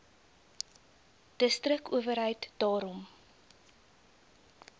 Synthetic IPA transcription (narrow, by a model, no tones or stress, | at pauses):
d̥əstrəkuəvərɦəjtd̥ɑːɾɔm